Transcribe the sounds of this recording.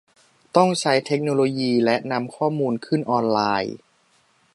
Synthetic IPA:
t̪ɔ˥˩ŋt͡ɕʰa˦˥jt̪ʰe˦˥k̚noː˧loː˧jiː˧lɛ˦˥ʔna˧mkʰɔː˥˩muː˧nkʰɯ˥˩nʔɔː˧nlaː˧j

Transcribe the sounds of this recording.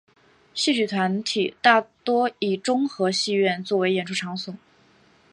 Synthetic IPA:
ɕi˥˩t͡ɕy˨˩t̪ʰwa˧˥nt̪ʰi˨˩t̪a˥˩t̪wɔ˥i˨˩ʈ͡ʂʊ˥ŋxɤ˧˥ɕi˥˧ɥɛ˥˧nt͡swɔ˥˩we˧˥ɪjɛ˨˩nʈ͡ʂʰu˥˩ʈ͡ʂʰɑ˧˥ŋsʊ˨˩˦

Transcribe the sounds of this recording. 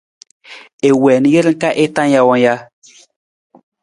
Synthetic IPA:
e˨wɛː˨nĩ˨˦je˦ɾi˦ŋ̩˦ka˦ʔe˦tã˦n˦ja˧wɔ̃˧nja˦

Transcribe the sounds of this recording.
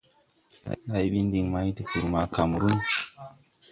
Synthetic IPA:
a̰˨˦na˦jɓi˦n˦di˨ŋma˦jti˨ku˨ɾma˨ka˨m˨ɾu˦n

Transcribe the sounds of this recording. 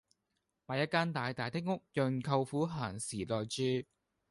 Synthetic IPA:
maː˨˧jɐ˥t̚kaː˥nt̪aː˨jt̪aː˨jt̪ʰɪ˥k̚ŋʊ˥k̚jœː˨nkʰɐ˧wfuː˨˥ɦaː˨˩nsiː˨˩t̪ɔː˨jt͡ʃyː˧

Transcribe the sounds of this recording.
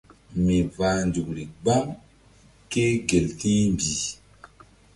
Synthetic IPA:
mi˨va˨ndu˨kɾi˨ɡ͡bɔ˦ŋ | ke˦ɡe˨lti˦mbi˨

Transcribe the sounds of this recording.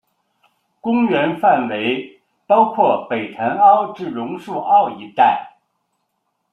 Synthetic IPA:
kʊ˥ŋɥɛ˧˥nfa˥˩nwe˧˥ɪ | pɑ˥ʊkʰwɔ˥˩pe˨˩ɪt̪ʰa˧˥nɑ˥ʊʈ͡ʂɻ̩˥˩ɻʊ˧˥ŋʂu˥˧ʔɑ˥˩ʊi˧˥t̪a˥˩ɪ

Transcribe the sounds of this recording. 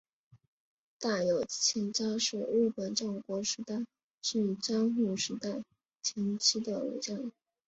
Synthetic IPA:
t̪a˥˩jo˨˩ʊt͡ɕʰɛ˧˥nt͡ɕɑ˥ʂɻ̩˥˩ɻ̩˥˩pə˨˩nʈ͡ʂɑ˥˩ŋkwɔ˧˥ʂɻ̩˧˥t̪a˥˩ɪ | ʂɻ̩˥˩˨ʈ͡ʂɑ˥ŋxu˥˩ʂɻ̩˧˥t̪a˥˧ɪ | t͡ɕʰjɛ˧˥nt͡ɕʰi˥d̪ə˨ṵ˨˩t͡ɕɑ˥˩ŋ

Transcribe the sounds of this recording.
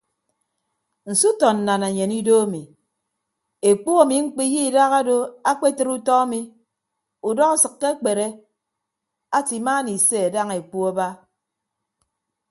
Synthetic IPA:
n̩˨su˦tɔ˨n̩ː˨a˨na˨ɲe˨ni˦do˦a˦mi˨ | e˨k͡pu˦a˨mi˨ŋ͡m̩˦k͡pi˦ji˦˨da˦ɣa˦do˦a˦k͡pe˦tɨ˦ɾu˦tɔ˦a˦mi˨ | u˨dɔ˦ɣa˨sɨ˨kːe˦k͡pe˨ɾe˦ | a˦ti˨ma˦ni˨se˦a˨da˦ŋe˨k͡pu˦a˦ba˦

